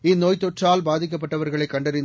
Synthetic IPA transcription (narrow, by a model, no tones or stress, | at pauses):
ɪnːoːjt̪ːɔʈraːlbaːðɪk̬ːɐp̬ːɐʈːɐʋɐɾɣɐɭɐɪkːɐɳɖɐɾɪn